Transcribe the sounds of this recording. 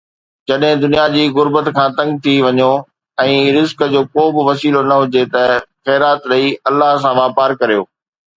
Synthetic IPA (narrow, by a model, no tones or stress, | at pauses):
d͡ʑɐɗɦɪ̃d̪ʊnijad͡ʑiːɣʊɾbət̪kʰãːt̪ɐ̃ŋɡ̚t̪ʰiʋɐɲo | ɛ̃ːɾɪzkd͡ʑoːkobɪʋɐsiːlonɐɦʊd͡ʑet̪ɐxɛːɾaːt̪ɾɐiɐlːaɦs̬ãʋaːpaːɾkɐɾijo̰ː